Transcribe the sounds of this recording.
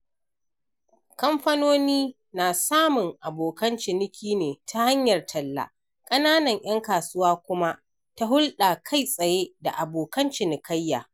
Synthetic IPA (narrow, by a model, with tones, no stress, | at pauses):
kɐ˦mɸɐ˦noː˦niː˦ | naː˨saː˦mʊ˨ŋʔa˨boː˨kɐ˦nt͡ʃɪ˨nɪ˦kʲʰiː˦neː˨tʰa˦ha˦ɲjɐ˨rtʰɐ˨lːa̰˦˨ | kʼɐ˦naː˦nɐ˨ɲʔj̰ɐ˦ŋkaː˨sʊ˦waː˦kʷʊ˦ma˦ʔ | ta˦ɦʊ˦lɗa˨kʰa˦˨jsʼɐ˨je˦da̰˨ʔa˨boː˨kɐ˦nt͡ʃɪ˨nɪ˨kʰɐ˦jːa̰ː˨